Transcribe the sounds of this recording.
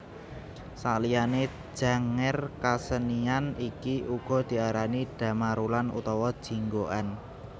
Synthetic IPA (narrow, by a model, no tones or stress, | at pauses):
salijane̥ | ʒ̥a̤ŋɪrkasənianikiuɡ̥ɔ̤d̪̥i̤aɾaniɖ̥ä̤maɾulanṵt̪ɔwɔd̥ʒ̥i̤ŋɡoʔan